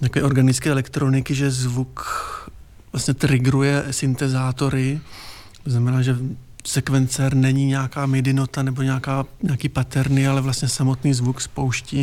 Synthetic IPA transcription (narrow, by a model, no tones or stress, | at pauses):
t̪akoɛːʔo̞ɾɡanɪt͡skɛːʔɛlɛkt̪ɾo̞nɪkɪʒɛzvuk | vlastɲɛt̪ɾɪɡɾujɛsɪnt̪ɛzaːt̪o̞ɾɪ | t̪oznamɛnaːʒɛ | sɛkvɛnt͡sɛɾnɛɲiɲɛakaːmɪdɪno̞t̪anɛbo̞ɲɛakaːɲɛakiːpat̪ɛɾnialɛvlast̪ɲɛsamo̞t̪niːzvukspo̞wʃciː